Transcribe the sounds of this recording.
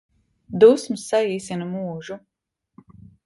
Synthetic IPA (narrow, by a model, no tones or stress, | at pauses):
d̪usmsːaiːsinɐmuːʒu